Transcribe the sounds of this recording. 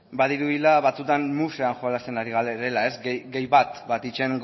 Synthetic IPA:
baðiɾuðilaβat͡sut̪anmuse̞anxoalast̪e̞naɾiɣaleɾe̞lae̞zɡejβat̪bat̪it͡ʃe̞ŋɡ

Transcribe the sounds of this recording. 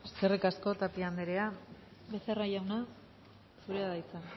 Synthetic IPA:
eskerekasko̞t̪apiand̪eɾea | βe̞seraʝawna | suɾeaðajt͡san

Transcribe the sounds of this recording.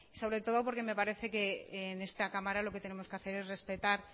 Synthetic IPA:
isoβɾe̞t̪o̞ðopo̞ɾke̞me̞paɾe̞θe̞kene̞st̪akamaɾalo̞ket̪e̞ne̞mo̞skeaθe̞ɾe̞zre̞spe̞t̪aɾ

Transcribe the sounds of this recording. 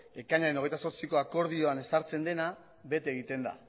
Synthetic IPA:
e̞kaɲaɾenoe̞jt̪aso̞ɾt͡siko̞ako̞ɾð̞io̞ane̞saɾt͡se̞nd̪e̞na | βe̞t̪eːɣit̪e̞nd̪a̰

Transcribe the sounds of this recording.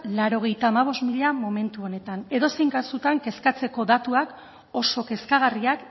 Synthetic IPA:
laɾo̞ɣ̞e̞jt̪aːmaβ̞o̞smiʎamo̞me̞nt̪uo̞ne̞t̪ane̞ðo̞sejŋɡasut̪aŋke̞skat͡se̞ko̞ðat̪uak | o̞so̞ke̞skaɣ̞ariak

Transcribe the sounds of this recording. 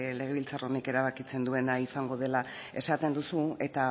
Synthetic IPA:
le̞ɣ̞e̞βilt͡saro̞neke̞ɾaβakit͡se̞nd̪ue̞naisaŋɡo̞ð̞e̞la | e̞sat̪e̞nd̪usue̞t̪a

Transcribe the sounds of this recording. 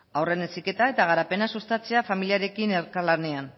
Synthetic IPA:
awre̞nesike̞t̪ae̞t̪aɣ̞aɾape̞nasust̪at͡se̞afamiliaɾe̞kine̞ɾkalane̞an

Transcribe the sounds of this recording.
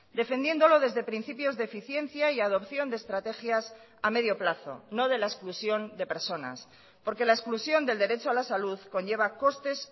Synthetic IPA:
d̪e̞fe̞nd̪je̞nd̪o̞lo̞ðe̞zðe̞pɾinθipjo̞zðeeːfiθje̞n̟θjaiað̞o̞pθjo̞nd̪est̪ɾat̪e̞xjas | ame̞ðjo̞plaθo̞̰no̞ð̞e̞laesklusjo̞nd̪e̞pe̞ɾso̞na̰s | po̞ɾke̞laesklusjo̞nd̪e̞ld̪e̞ɾe̞t͡ʃoalasaluðko̞nʎe̞β̞ako̞st̪e̞s

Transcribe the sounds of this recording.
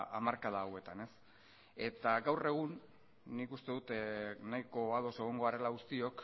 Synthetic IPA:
amaɾkaðaːwe̞t̪ane̞s | e̞t̪aɡawre̞ɣ̞unː | ikust̪e̞ðut̪najko̞að̞o̞se̞ɣ̞o̞ŋɡo̞aɾe̞laɣust̪io̞k

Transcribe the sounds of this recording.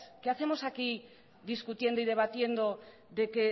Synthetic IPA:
keaθe̞mo̞saki | ðiskut̪je̞nd̪oiðe̞β̞at̪je̞nd̪o̞ | ðe̞ke̞

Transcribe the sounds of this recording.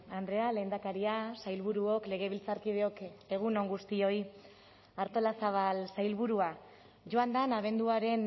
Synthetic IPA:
and̪ɾe̞ale̞ːnd̪akaɾiasajlβuɾuo̞kle̞ɣ̞e̞βilt͡saɾkið̞e̞o̞ke̞ɣ̞uno̞ŋɡust̪io̞j | aɾt̪o̞lasaβalsajlβuɾua | ʝo̞and̪anaβe̞nd̪uaɾe̞n

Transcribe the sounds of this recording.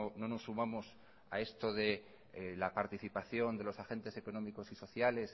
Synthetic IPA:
ono̞no̞sːumamo̞s | a̰e̞st̪o̞ðe̞ | lapaɾt̪iθipaθjo̞nd̪e̞lo̞saxe̞nt̪e̞se̞ko̞no̞miko̞siso̞θjale̞s

